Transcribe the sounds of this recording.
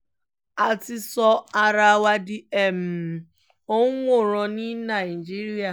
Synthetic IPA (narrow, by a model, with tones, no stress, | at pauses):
a˨ti˧sɔ˧a˧ɾa˧wa˧di˦ɛ˨m̩˨ | o˦ũ˦wo˦˨ɾ̃ɔ̃˧nĩ˦nã˨i˨d͡ʒi˦ɾi˦a˦˨